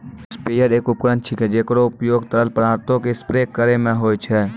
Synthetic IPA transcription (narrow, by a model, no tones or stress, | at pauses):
speːjəɾeːkʊp̚kɾə̃nt̪̚t͡ʃʰikɛd͡ʒeːkɾoʊpjoːɡt̪əɾəlpəɾaːɾt̪õkespɾeːkːəɾemẽɦoːjt͡ʃʰɛː